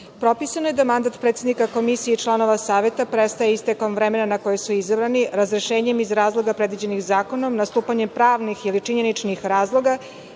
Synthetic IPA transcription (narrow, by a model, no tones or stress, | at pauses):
pɾo̞pisanoje̞d̪amand̪at̪pɾe̞t̪sed̪nikako̞misijeit͡ʃlˠano̞ʋasaːʋe̞t̪apɾest̪ajeist̪eko̞mʋɾeme̞nanako̞jesuizabɾaniɾazɾeʃe̞ːɲe̞mizɾaːzlˠo̞ɡapɾe̞d̪ʋid͡ʑe̞nixzaːko̞no̞mnast̪uːpaɲempɾaːʋnixilit͡ʂiɲe̞nit͡ʃnixɾaːzlˠo̞ɡa